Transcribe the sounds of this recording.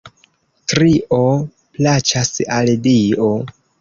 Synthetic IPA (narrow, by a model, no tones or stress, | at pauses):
tɾiʔo | plat͡ʃasaldio